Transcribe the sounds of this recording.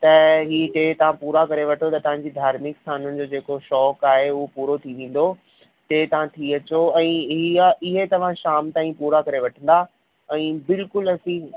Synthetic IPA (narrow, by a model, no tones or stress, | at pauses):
t̪ɐɦiːʈeːt̪ɐʋ̤ãpuːɾakɐɾeʋɐʈʰot̪ɐt̪ɐʋ̤ãɲd͡ʑid̪ʱaːɾmɪkst̪ʰaːnʊnɪ̆d͡ʑoːd͡ʑeːkoʃɔːkaːɦeʊɦopuːɾot̪ʰiʋẽːn̆d̪o | teːt̪ɐʋ̤ãt̪ʰiɐt͡ɕoɛ̃ːɦiaʔɪɦet̪ɐʋ̤ãʃaːmt̪aːĩpuːɾakɐɾeʋɐʈʰə̃n̆d̪a | ɛ̃ːbɪlkʊlɐsĩː